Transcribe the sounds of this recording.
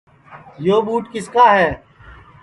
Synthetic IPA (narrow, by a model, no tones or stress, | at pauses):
joːɓuːʈkɪskaːɦɛː